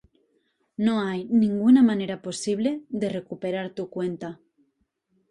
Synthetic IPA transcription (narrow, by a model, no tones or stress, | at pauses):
noajnĩŋɡunamaneɾaposiβ̞leðerekupeɾaɾt̪ukwent̪a